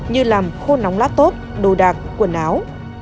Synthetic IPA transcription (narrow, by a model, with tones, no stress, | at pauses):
ɲɨ˧laː˨˩mxo˧na˨˦wŋ͡mlaː˨˥t̪o˦˥t̚ɗo˨˩ɗaː˨˩k̚ku˧˩ənaː˨˦w